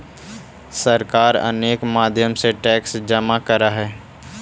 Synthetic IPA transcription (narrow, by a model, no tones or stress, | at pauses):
səɾkaːɾə̰neːkmaːd̪ʱjəmseʈɛːksd͡ʒəmakəɾaɦɛː